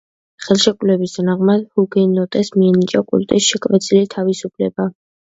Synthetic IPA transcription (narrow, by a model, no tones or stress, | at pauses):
χɛlˠʃɛkʼulɛbisd̪naʁmad̪huɡɛnɔt̪ʼɛsmiɛnit͡ʃʼakʼṵlt̪ʼisʃɛkʼvɛt̪sʼilit̪ʰavisupʰlɛba